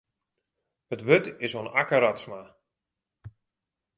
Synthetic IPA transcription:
ətʋøtɪsonakəɾatsma

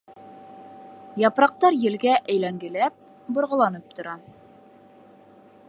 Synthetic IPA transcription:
jɑpɾɑq̚t̪ɑɾjɘ̆lɡæʔæjlæŋɡɘ̆læp̚ | bŏɾʁɤ̆lˠɑnɤp̚t̪ŏɾɑ

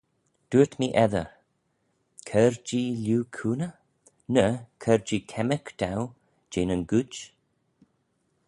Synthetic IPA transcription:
d̪̥uət̪miːʔɛðə̰ | kʰəɹd͡ʒiːljuːkʰuːnə | nəkʰəɹd͡ʒiːkʰɛməkd̥̪aw | d͡ʒeːnənɡut͡ʃ

